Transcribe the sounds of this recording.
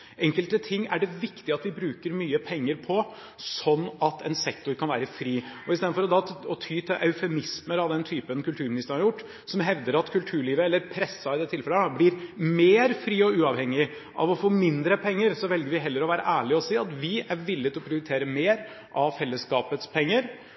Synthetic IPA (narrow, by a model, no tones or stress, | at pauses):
ʔɛŋkəlt̪ət̪ʰɪŋːæɖɛʋɪkt̪ɪɑt̪ʋɪbɾʉːkəɾmyːəpʰɛŋːəɾpʰɔ | sɔnːɑt̪ʰɛ̰nsɛkt̪ʊɾkʰɑnʋæ̰ːɾəfɾiːɔɪst̪eːd̪̩fɔɾɔd̪ɑɔt̪ʰyːt̪ʰɪʔɑʉfɛmɪsməɾɑʋd̪ɛnt̪ʰyːpənkʉlt̪ʰʉːɾmɪnɪst̪əɾnhɑɾjʊʈː | sɔmɦɛʋd̪əɾɑt̪kʰʉlt̪ʰʉːɭiːʋəɛlːəɾpʰɾɛsːɑɪd̪ɛːt̪ʰːɪlfɛləɑblɪɾmeːɾfɾiːɔʉːɑʋhɛŋːɪ | ʔɑ̰ʋɔfoːmɪnd̪ɾəpʰɛŋːəɾsɔʋɛlɡəɾʋɪɦɛlːəɾɔʋæːɾə̰ʔæːɭɪɔsiːɑt̪ʋɪæɾʋɪlːɪt̪ʰɪlɔpʰɾɪʊɾɪt̪ʰeːɾəmeːɾ | ʔɑʋfɛlːəskɑːpət̪spʰɛŋːəɾ